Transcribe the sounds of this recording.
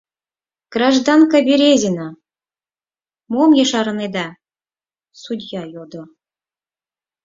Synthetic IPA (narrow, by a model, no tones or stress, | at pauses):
ɡ̥rɑʒd̪ɑnkɑbʲeɾʲezʲenɑ | momjeʃɑɾɤned̪ɑ | sud̪ʲjɑjod̪ŏ